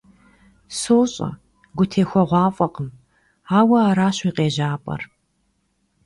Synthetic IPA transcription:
soːɕʼɐ̰ | ɡʷʊtʰeːxʷɔʁʷɑːfʼɐqʼəm | aːwɐaːɾaːɕiːqʼeːʑaːpʼɐ̰r

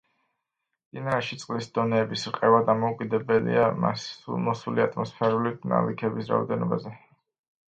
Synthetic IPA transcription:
d̪̥inaɛʃit̪sʼqʼlisd̪̥ɔnɛːbisɾqʼɛvad̪amɔukʼid̪ɛbɛlḭama̰sṵlˠmɔsuliat̪ʼmɔspʰɛɾulit̪ʰna̰likʰɛbisɾa̰ɔd̪ɛnɔbazɛ

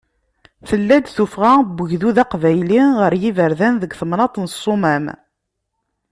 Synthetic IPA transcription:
θəlːæd̪θufʁæbːəʝðuðɑqvæjliʁəɾjivəɾðænðəɡθəmnɑt̪ˤnəsˤːomæm

